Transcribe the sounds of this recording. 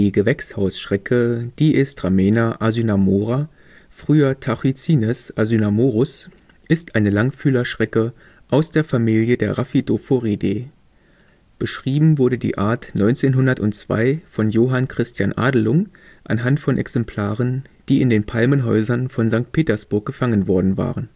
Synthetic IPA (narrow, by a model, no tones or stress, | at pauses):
diːɡəvɛkshaʊsʃʁ̥ɛkʰəd̥iːʔɪstʁ̥ameːnaʔazynamoːʁa | fʁ̥yːɐtʰaχit͡siːnɛsʔazynamoːʁʊs | ʔɪstʔaɪnəlaŋfyːlɐʃʁ̥ɛkə | ʔaʊsd̥eːɐfamiːljədeːɐʁafidofoʁideː | b̥əʃʁ̥iːbm̩vʊɐɾədḭːʔaːɐtnɔʏnt͡seːnɦʊndɐtʊntt͡sv̥a̰ɪfɔnjoːɦankʁ̥ɪstjanʔa̰ːdl̩ʊŋ | ʔa̰nɦantfɔnʔɛ̰ksɛmpʰl̥aːʁənd̥iːɪndeːnpʰalmənɦɔʏzɐnfɔnzaŋk̚t̚pʰeːtɐsb̥ʊɐk̚ɡ̥əfaŋənvɔɐdn̩va̰ːʁən